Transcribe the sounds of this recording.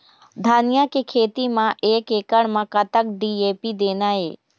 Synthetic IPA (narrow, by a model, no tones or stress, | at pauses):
d̪ʱaːnijakekʰeːt̪imãʔeːkekəɳmãkət̪ək̚ɖieːpid̪eːnae